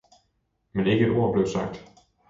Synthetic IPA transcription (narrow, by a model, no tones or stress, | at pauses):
mɛnɪɡət̪oːɖblɛvsa̰k̚t̪